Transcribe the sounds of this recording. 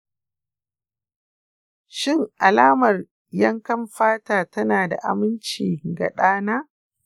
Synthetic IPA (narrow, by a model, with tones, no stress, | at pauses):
ʃɪ˦˨ŋʔa˨laː˦mɐ˨r | jɐ˦ŋkɐ˦mɸaː˦taː˨tɐ˦naː˨da̰˨ʔa̰˨mɪ˦nt͡ʃiː˨ɡa̰˨ɗaː˦naː˦